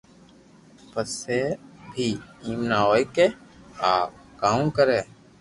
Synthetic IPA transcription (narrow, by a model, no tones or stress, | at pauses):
pəsːeːbʱiːĩːmnaːoːjke | aː | kaːũːkəɾeː